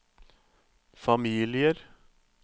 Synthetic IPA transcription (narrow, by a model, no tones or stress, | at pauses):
fɑmiːlɪəɾ